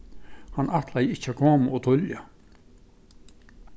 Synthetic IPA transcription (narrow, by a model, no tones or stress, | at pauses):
hanːʔaht̪ʰlajɪht͡ɕːakʰɔːmɔt̪ʰʊlja